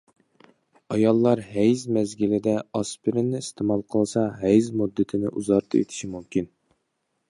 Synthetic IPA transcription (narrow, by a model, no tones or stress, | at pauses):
ɑjɑlˠːɑɾɦɛjzmɛzɡʲilɪd̪ɛɑspɪɾɪnːɪist̪ʰemɑlˠqʰəlˠsɑɦɛjzmud̪ːɪt̪ʰɪnɪʔuzɑɾt̪ʰɨḛt̪ʰɪ̥ʃimumkʲin